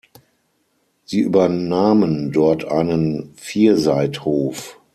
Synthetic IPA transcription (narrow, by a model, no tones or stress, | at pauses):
z̥iːʔyːbɐnaːməndɔɐtʰʔa̰ɪnənfiːɐzaɪthoːf